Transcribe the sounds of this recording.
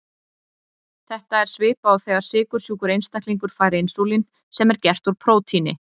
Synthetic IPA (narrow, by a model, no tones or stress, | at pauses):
θɛht̪aɛɾ̥svɪːpaawθɛːɣaɾ̥sɪːkʏɾ̥sjuːkʏɾejnst̪ak̪liŋkʏɾ̥faːjɾɪejnsowlin | sɛmɛɾcɛr̥t̪uɾ̥pʰɾoːwt̪ʰinɪ